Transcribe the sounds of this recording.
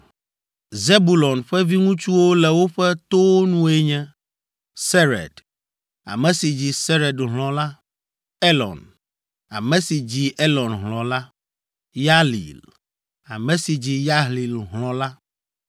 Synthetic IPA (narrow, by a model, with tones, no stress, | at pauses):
ze˦bu˨lɔ˨nɸɛ˦vi˦ŋũ˦t͡ʃu˦wo˦lɛ˨wo˦ɸɛ˦t̪o˦wnũ˦e˦ɲɛ̃˦ | se˦ɾɛ̰˨d | a̰˨mɛ̃˨si˨d͡ʑi˨se˦ɾɛ˨dɦlɔ̃˨la˦ | e˦lɔ̰˨n | a̰˨mɛ̃˨si˨d͡ʑi˨ʔe˦lɔ˨nɦlɔ̃˨la˦ | ja˦lḭ˨l | a̰˨mɛ̃˨si˨d͡ʑi˨ja˦ɦli˨lɦlɔ̃˨la˦